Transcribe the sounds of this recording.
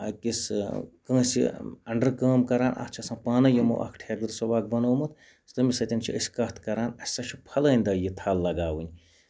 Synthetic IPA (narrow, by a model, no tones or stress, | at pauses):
ɐ̰kiskə̃ːsḭɐɳɖɐɾkɐːmkɐɾaːnɐ̰kʰt͡ʃʰɐsãːpaːnɐjimo̰ʔɐ̰kʰʈʰeːɾd̪ɨɾsobaːk̚bɐnoːmɨt̪̚ | st̪ɐmisɐt̪ʲint͡ʃʰiəsʲkɐht̪ʰkɐɾaːnɐsʲsɐt͡ʃʰupʰɐləːnʲd̪ɐjit̪ʰaːlːɐɡaːwunʲ